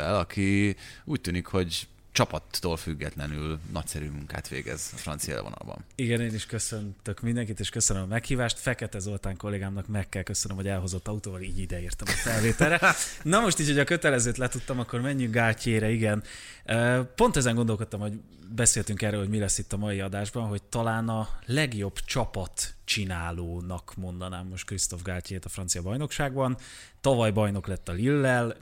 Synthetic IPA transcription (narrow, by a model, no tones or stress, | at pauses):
ɛlɒkʰiuːc̚t̪yːnikho̞ɟ | t͡ʃɒpɒt̪ːoːlfyɡːɛt̪lɛnylnɒ̰csɛɾymuŋka̰ːt̪ʋḛːɡɛ̰zɒfrɒ̰nt̪sijɛ̰lvonɒ̰lbɒ̰niɡɛneːniʃkø̞sø̞nt̪økmind̪ɛŋkit̪eːʃkøsønømɒmɛkhiːvaːʃt̪fɛkɛt̪ɛzo̞lt̪aːŋko̞lːeːɡaːmnɒkmɛkːɛlkø̞sønømhoɟɛlɦo̞zo̞t̪ːɒut̪oːvɒliːɟid̪ɛirt̪ɒmɒfɛlveːt̪ɛlɾɛnɒmo̞ʃt̪iːcʰhocʰɒkø̞t̪ɛlɛzøːt̪lɛt̪ut̪ːɒmɒkːo̞rmɛɲːyŋkɡaːlceːɾɛiɡɛnøːpo̞nt̪ɛzɛŋɡond̪olko̞t̪ːɒmho̞ɟ | bɛseːlt̪yŋkɛrːøːlho̞ɟmilɛsːit̪ːɒmɒjiɒd̪aːʒbɒnɦo̞c̚t̪ɒlaːnɒlɛɡjo̞bt͡ʃɒpɒt̪t͡ʃinaːloːnɒkmo̞nd̪ɒnaːmːo̞ʃt̪̚krist̪o̞vɡaːlceːt̪ɒfrɒntsijɒbɒjno̞kʃaːɡbɒn | t̪ɒvɒjbɒjno̞klɛt̪ːɒlilːɛl